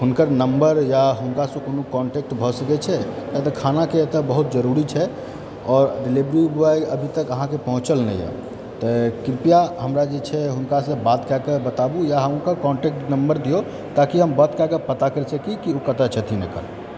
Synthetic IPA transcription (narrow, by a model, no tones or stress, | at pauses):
ɦunkəɾnəmbəɾjaɦunkasə̃konokɔɳʈek̚ʈbʱɔsəkɛt͡ʃʰɛjat̪ɔkʰanaket̪əbəɦut̪̚d͡ʒəɾuɾit͡ʃʰɛ | ɔːɾɖilibɾibuaiəbʱit̪əkəɦãkepəɦũt͡ʃəlnɛ̰jɛ̰ | t̪ɔkipijaɦəmɾad͡ʒet͡ʃʰɛɦunkasə̃bat̪kakebət̪abujaɦəmɦunkakɔɳʈek̚ʈnəmbəɾd̪ijo | t̪akiɦəmbat̪kakepət̪akəɾt͡ʃʰɛkikiukət̪at͡ʃʰət̪ʰinekə̰l